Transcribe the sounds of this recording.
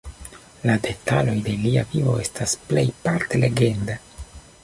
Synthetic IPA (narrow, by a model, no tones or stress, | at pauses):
lade̞talo̞jde̞liavivo̞̰e̞stasple̞jpaɾtele̞ɡe̞nda